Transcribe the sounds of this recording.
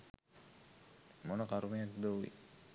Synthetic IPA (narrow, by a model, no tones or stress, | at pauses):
monəkaɾumejat̪d̪oʋḭ